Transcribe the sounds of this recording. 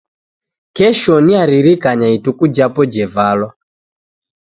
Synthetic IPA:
kɛʃɔniaɾiɾikaɲaitukud͡ʒapɔd͡ʒɛvalɔ

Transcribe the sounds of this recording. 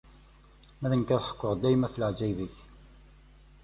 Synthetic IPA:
mæðənkæðħə̥kʷːʊʁd̪ːæjmæθələʕd͡ʒæjviç

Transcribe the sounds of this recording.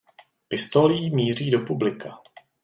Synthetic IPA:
pɪst̪oliːmiːr̝iːdo̞publɪka

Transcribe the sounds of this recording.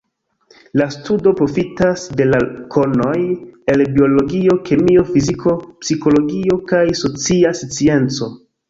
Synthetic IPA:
lastudo̞pɾo̞fitasde̞lakʰo̞no̞je̞lbio̞lo̞ɡio̞ke̞mio̞fizikʰo̞psiko̞lo̞ɡio̞kajso̞t͡siasit͡sie̞nt͡so̞

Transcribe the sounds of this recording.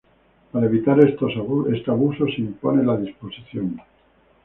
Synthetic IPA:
paɾaeβ̞it̪aɾest̪osest̪eaβuso̞simpo̞nelaðispo̞siθjoŋ

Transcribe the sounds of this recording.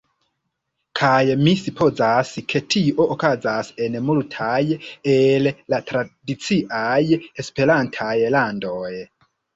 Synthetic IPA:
kʰajmisipʰo̞zaskʰe̞tʰio̞ʔokazase̞nmultʰajellatɾadit͡siʔaje̞spe̞ɾantʰajlandoj

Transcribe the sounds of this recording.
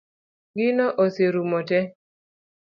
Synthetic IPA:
ɡɪnɔʔoseɾumɔtɛ

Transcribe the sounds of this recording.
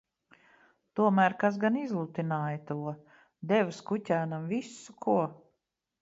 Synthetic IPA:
t̪uɔmæːɾkas̬ɡanizlˠut̪inaːjət̪uɔ | d̪ɛvskutʲæːnamvisukʰuɔ

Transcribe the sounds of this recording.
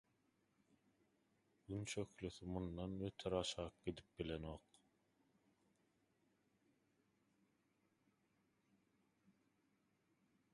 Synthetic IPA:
ynt͡ʃøklyθymund̪ɑnwet̪ʰeɾɑʃɑːq̚ɡ̥id̪ip̚bilenoːq

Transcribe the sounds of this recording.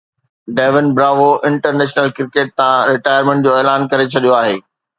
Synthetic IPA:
ɖeːʋɪnbɾaːʋoʔɪ̃ɳʈəɾneːʃnəlkɾɪkeːʈ̚t̪ãɾɪʈaːjəɾmɛ̃ɳʈ̚d͡ʑoːeːlaːnkɐɾet͡ɕʰɐɗijoaːɦeː

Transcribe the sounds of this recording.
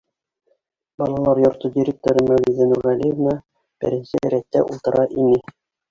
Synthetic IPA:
bɑlˠɑlˠɑɾjŏɾt̪udʲiɾʲek̚t̪oɾɤmæwlizɘnuɾʁælʲijəvnɑ | b̥ɘ̰̆ɾɘ̆nsɘ̆ɾæt̪ːæ̰ʔulˠt̪ɤ̆ɾʔɑʔinɘ

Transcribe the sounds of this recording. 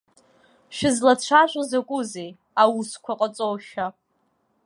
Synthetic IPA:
ʃᶣɪzlat͡ɕʷʰaʒʷʼozakʷʼʊzej | awuskʷʰaqʼət͡sʼowʃa

